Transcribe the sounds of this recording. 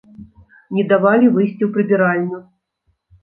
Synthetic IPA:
nʲɛd̪avalʲivɨjsʲt͡sʲiwpɾɨbʲiɾalʲnʊ

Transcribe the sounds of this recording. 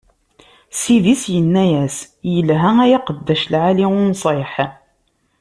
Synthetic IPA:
sivisjənːæjæs | jəlɦææjaqəd̪ːæʃlʕaliʊnsˤeħ

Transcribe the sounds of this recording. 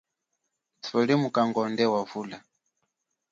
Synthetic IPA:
t͡sʰɔlimukaŋɡɔndɛwavula

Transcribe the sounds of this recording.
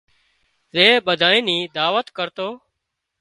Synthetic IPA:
zeːɓəd̪ʱaːĩːniːd̪aːʋət̪kəɾt̪oː

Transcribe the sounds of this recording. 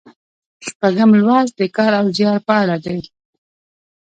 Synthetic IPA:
ʃpaɡəmlwɑzd̪əkɑɾawzjɑɾpɑlad̪aj

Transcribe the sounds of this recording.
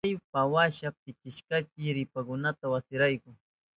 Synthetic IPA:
jpawaʃap̚ɪt͡ʃɪʃkakɪɾɪpakʊnat̪awasɪɾajkʊŋ

